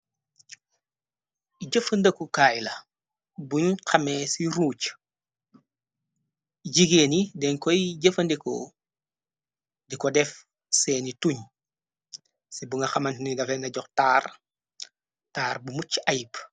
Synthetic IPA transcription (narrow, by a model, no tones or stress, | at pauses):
iɟəfɐndɐkukaːjlɐ | buɲxɐmesiɾuːc | ɟiɡeːnidɛŋkɔjɟəfɐndikɔ̰ | dikɔdɛf | sɛːnituɲ | sibuŋɡɐxɐmɐntniɡɐfɛnɐɟɔxtaːr | taːɾbumut͡ʃajp